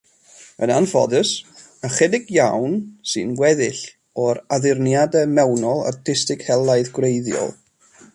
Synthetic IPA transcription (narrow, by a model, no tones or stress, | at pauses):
ənanfɔ̰ðəs | əχɛdɪɡjawnsɨnɡwɛðɪɬ | ɔɾaðɪrnjadɛmɛwnɔlˠa̰rtʰɪstɪkhɛlˠaɨðɡwrejðjɔ̰lˠ